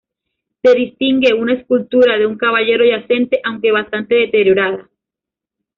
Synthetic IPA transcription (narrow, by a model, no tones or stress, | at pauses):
se̞ðist̪iŋɡe̞unaeskult̪uɾaðe̞uŋkaβaʝe̞ɾo̞ʝase̞nt̪e̞ʔawŋke̞β̞ast̪ant̪e̞ðe̞t̪e̞ɾjo̞ɾaða